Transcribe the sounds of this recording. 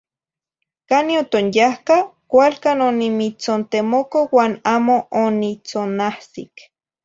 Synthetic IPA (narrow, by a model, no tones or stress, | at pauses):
kaniot̪onjahkakʷalkanonimit͡sont̪emokowaːnaːmoonit͡sonahsik